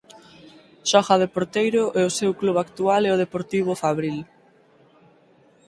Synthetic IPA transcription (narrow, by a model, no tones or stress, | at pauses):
ʃɔxaðepoɾt̪ejɾʊʔɛʊsewkluβakt̪ualɛʊðepoɾt̪iβ̞ʊfaβɾil